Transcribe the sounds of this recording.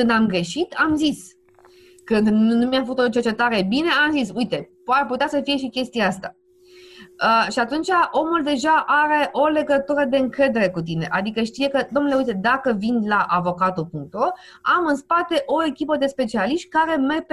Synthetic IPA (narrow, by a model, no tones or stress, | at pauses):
kɨnd̪amɡɾe̞ʃit̪amzis | kɨnd̪nnumjafəkut̪ot͡ʃe̞rt͡ʃe̞t̪aɾe̞bine̞amzisujt̪e̞parput̪easəfije̞ʃ̬ikʲe̞st̪iaast̪a | əʃiat̪unt͡ʃaʔo̞muld̪e̞ʒaʔaɾe̞ʔo̞le̞ɡət̪uɾəd̪e̞ɨŋkɾe̞d̪e̞ɾe̞kut̪̬ine̞ʔad̪ikəʃt̪ije̞kəd̪o̞mnuleujt̪e̞d̪akəvinlaʔavo̞kat̪ulpuŋk̚t̪o | amɨnspat̪e̞ʔo̞e̞kʲipəd̪e̞spe̞t͡ʃialiʃt̪̚kaɾe̞mep